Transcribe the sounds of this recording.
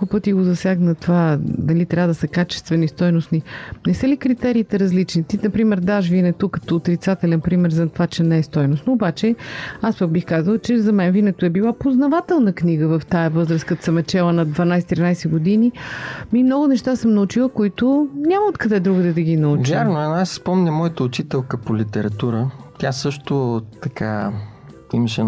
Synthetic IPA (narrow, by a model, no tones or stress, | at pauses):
kpɤt̪iɡozɐsʲjaɡnɐt̪vad̪ɐlit̪ɾʲavəd̪ɐsəkat͡ʃɛ̥st̪vɛnist̪ɔjnʊsninɛsəlikɾit̪ɛɾiːt̪ɛɾɐzlit͡ʃnit̪inɐpɾimɛɾd̪aʃvinɛt̪okːɐt̪oːt̪ɾit̪sat̪ɛlɛnpɾimɛɾzɐt̪vat͡ʃɛnɛɛst̪ɔjnʊst̪nɐobat͡ʃɛaspək̚bixkazəlˠət͡ʃɛzɐmɛnvinɛt̪oɛbilˠapoznɐvat̪ɛlˠnəkniɡəvɐft̪ajɐvɤzɾəskɐt̪sɐmɛt͡ʃɛlˠənɐd̪vɐnajsɛt̪ɾʲinajsɛɡʊd̪inimimnɔɡʊnɛʃt̪asəmnɐut͡ʃilˠəkoit̪ʊnʲamɐot̪̚kɐd̪ɛd̪ɾuɡəd̪ɐd̪ɐɡinɐut͡ʃvjaɾɾnoɛnasspɔmnʲəmɔjət̪əʊt͡ʃit̪ɛlˠkəpolit̪ɛɾɐt̪uɾət̪ʲjasɤʃt̪ot̪ɐkʰa̰ | iməʃɛ